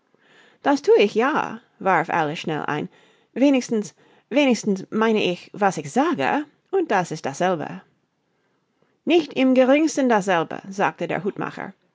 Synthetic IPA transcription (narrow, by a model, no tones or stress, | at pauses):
d̥astʰuːəɪçja̰ː | vaɹfʔa̰ləʃnɛ̰lʔa̰ɪn | veːnɪçstn̩s | veːnɪstn̩smaɪnəʔɪçvasɪçz̥aːɡə̰ | ʔʊnt̚d̥asɪstd̥asz̥ɛlbə̰ | nɪçtɪmɡəʁɪŋstn̩dasz̥ɛlbə̰za̰ːk̚tədḛːɹɦuːtma̰χə̰˞